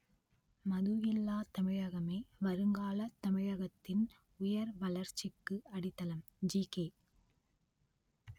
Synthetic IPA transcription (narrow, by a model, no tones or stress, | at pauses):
mɐðuɣɪlːaːt̪ɐmɪɻɐɣɐmeːʋɐɾɯŋɡaːlɐt̪ɐmɪɻɐɣɐt̪ːɪn | ʊjɐɾʋɐɭɐɾt͡ʃːɪkːɯɐɽɪt̪ːɐlɐm | d͡ʒiːkeː